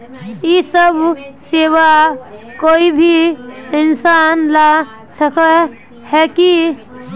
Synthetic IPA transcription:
isəbʱseːʋakoːibʱiɪnsaːnla | səkə | hɛki

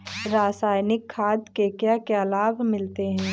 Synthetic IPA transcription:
ɾaːsaːjnɪkʰːaːd̪kekjakealaːbmɪlt̪eɦɛ̃ː

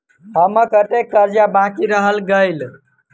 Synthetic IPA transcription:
ɦəməkət̪ekːəɾd͡ʒjabãkiɾəɦəlɡəjl

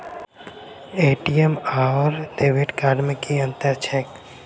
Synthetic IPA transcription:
eːʈiemaːɔɾɖ̪eːbɪʈkaːɖmẽkiɐ̃nt̪əɾt͡ʃʰɛːk

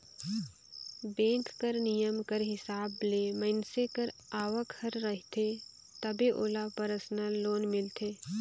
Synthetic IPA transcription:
bẽːŋkːəɾnijəmkəɾɦɪsaːbleːmənsekəɾaːʋəkhəɾːəɦɪt̪ʰe | t̪ɐbeʔoːlapəɾəsnəloːnmɪlt̪ʰeː

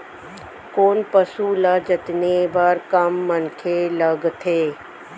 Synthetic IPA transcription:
koːnpəsulaːd͡ʒət̪nebaɾkɐmːənkʰeləɡt̪ʰeː

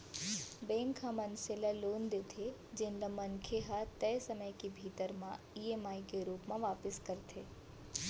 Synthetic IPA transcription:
bẽːŋkãmɐnselaloːnd̪eːt̪ʰe | d͡ʒɪnlamɐnkʰeɦat̪ɛːsɐməjkebʱiːt̪əɾmã | iemaːikeɾuːpmãʋaːpɪskɐɾt̪ʰeː

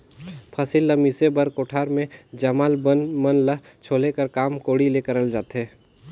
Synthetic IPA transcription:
pʰɐsilːɐmisebɐɾkoːʈʰaːɾmẽd͡ʒɐmaːlbənmənləɦ | t͡ʃʰoːlekəɾkaːmkoːɽileːkəɾəld͡ʒaːt̪ɦeː

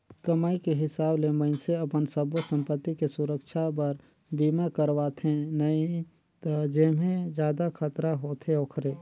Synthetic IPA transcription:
kəmaːikeɦɪsaːblemə̃ɪnseɐpənsəbsə̃mpət̪ːikesʊɾəkʃʰapəɾ | biːmakəɾʋaːt̪ʰẽnɐi | t̪d͡ʒeːmẽd͡ʒjaːd̪akʰət̪ɾaɦoːt̪ʰeoːkʰɾeː

